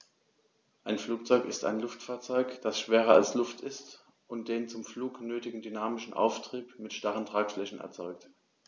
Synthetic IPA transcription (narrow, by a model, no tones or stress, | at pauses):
ʔaɪnfluːk̚t͡sɔʏkɪsta̰ɪnlʊftfaːɐt͡sɔʏkd̥asʃv̥eːʁɐalslʊftʰɪst | ʔʊnt̚d̥eːnt͡sʊmfluːknøːtɪɡŋ̩dynaːmɪʃn̩ʔa̰ʊftʁ̥iːpmɪtʃtaʁəntʁ̥aːkflɛçn̩ɛ̰ɐt͡sɔʏk̚t